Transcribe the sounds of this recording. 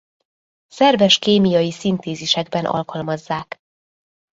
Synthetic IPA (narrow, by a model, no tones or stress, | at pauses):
sɛrvɛʃkeːmijɒjisint̪eːziʃɛɡ̚bɛnʔɒ̰lkɒlmɒzːaːk